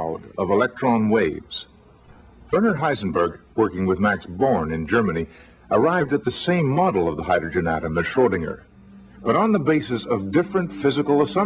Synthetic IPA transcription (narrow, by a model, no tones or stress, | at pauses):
ʊɾʌvəlɛk̚tɹ̥ɑ̃nweɪvz̥ | fɜ˞nə˞ɦaɪzn̩bə˞ɡwɜ˞kɪ̃ŋwɨðmæksbɔɹnɨ̃nd͡ʒɜ˞mɨni | ʔə˞aɪvdɨt̪̚ðɨsẽɪ̃mːɑɾl̩ˠʌvðəhaɪdɹɨd͡ʒɨ̃næ̰ɾɨ̃mɨz̥ʃɔɹɾɪ̃ŋə̰˞ | b̥ʌɾn̩ðəbeɪsɨsʌvdɪfɹɨ̃ntfɪzɨkl̩ˠəsʌ̃